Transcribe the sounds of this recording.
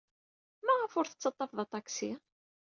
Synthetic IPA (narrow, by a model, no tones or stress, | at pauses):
mæʁəfʊɾθə̥t͡sːɑt̪ˤːɑfðɑt̪ˤɑksi